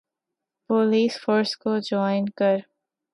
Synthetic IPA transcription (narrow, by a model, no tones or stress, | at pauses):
poːliːsfoːɾskod͡ʒɔːɪnkɐɾ